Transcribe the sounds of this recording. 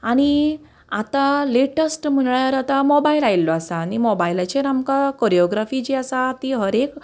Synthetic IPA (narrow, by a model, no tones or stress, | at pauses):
aɽ̃i | at̪aleʈəsʈm̤əɳɭaɾat̪amɔbailailːɔasaːnimɔbailat͡ɕeɾamkakɔɾiɔɡɾafid͡ʑiasat̪iɦəɾek